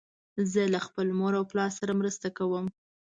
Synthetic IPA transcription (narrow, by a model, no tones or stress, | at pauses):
zəlaxpəlmoɾawplɑɾsaɾamɾəst̪akawəm